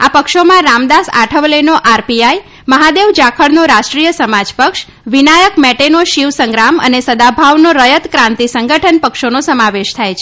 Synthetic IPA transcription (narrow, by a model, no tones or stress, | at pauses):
apəkʃomãɾamd̪asa̰ʈʰəʋlenoʔaɾpiaj | məɦad̪eʋd͡ʒakʰəɭnoɾaʃʈɾijəsəmad͡ʒpəkʃ | ʋinajəkmɛʈenoʃiʋsəŋɡɾamə̰nesəd̪abʱaʋnoɾəjət̪kɾãnt̪isəŋɡʱəʈʰənpəkʃonosəmaʋeʃt̪ʰajt͡ʃʰe